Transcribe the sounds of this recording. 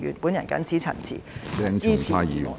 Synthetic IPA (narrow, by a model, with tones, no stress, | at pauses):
y̰˨˩npu˨˥njɐ˨˩nkɐ̰˨˥nt͡sʰiː˨˥t͡sʰɐ̰˨˩nt͡sʰḭ˨˩t͡sɛː˧˥ŋt͡siː˨˥t͡sʰiaː˧˥jjiː˨˧